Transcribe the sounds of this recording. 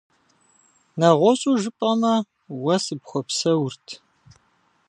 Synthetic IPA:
nɐʁʷɔɕʼuːʒɨpʼɐmɐ | wɐsɨpxʷɔpsɐwʊrtʰ

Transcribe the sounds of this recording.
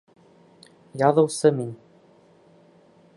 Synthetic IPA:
jɑðɤ̆wsɤmin

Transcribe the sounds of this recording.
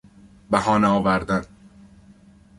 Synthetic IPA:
bæhɒːnæɒːvæɾd̪æn

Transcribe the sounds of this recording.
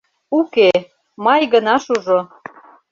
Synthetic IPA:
uke | mɑjɣənɑʃuʒo

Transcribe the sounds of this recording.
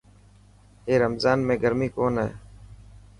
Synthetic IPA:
ɦeːɾəmzaːnmẽːɡəɾmiːkoːnɦeḛː

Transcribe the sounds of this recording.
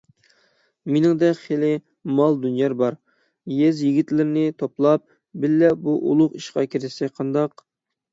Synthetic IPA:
menɪŋd̪ɛkʲχelɪ | mɑlˠd̪ynjɑɾbɑɾ | jɛzjiɡʲit̪lɪɾɪnɪt̪ʰoplˠɑp̚ | bɪlːɛbuʔṵlˠʊqiʃqɑkʲʰiɾɪsɛkʲqʰɑnd̪ɑq̚

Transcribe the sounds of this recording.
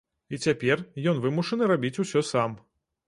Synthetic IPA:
it͡sʲapʲɛrjɔnvɨmuʂɐnɨɾabʲit͡sʲusʲɔsam

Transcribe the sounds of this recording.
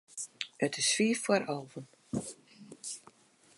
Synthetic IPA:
ətʰɪsfiːfwaɾɔlˠvən

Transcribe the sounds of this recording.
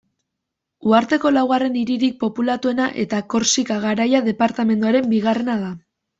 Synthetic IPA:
uaɾt̪e̞ko̞lawɣare̞niɾiɾik̚po̞pulat̪ue̞naʔe̞t̪ako̞ɾsikaɣ̞aɾajaðe̞paɾt̪ame̞nd̪uaɾe̞mbiɣare̞nað̞a

